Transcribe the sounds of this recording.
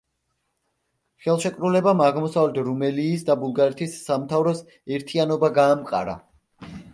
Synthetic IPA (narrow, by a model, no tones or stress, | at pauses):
χɛlˠʃɛkʼɾulɛbamaʁmɔsavlɛt̪ʰɾumɛliːsd̪abulˠɡaɾɛt̪ʰisːamt̪ʰavɾɔs | ɛɾt̪ʰianɔbaɡaːmqʼa̰ɾa̰